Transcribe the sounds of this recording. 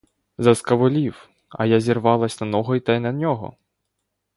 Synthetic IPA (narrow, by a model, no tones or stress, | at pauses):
zɐskɐʋʊlʲiw | ɐ̰jazʲirʋɑlˠɐsʲnɐnɔɦɔjt̪ɐjnɐnʲɔɦɔ̰